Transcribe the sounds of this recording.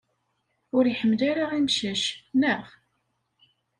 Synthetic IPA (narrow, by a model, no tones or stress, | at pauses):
ʊɾiħəmːlaɾaʁimʃəʃnəʁ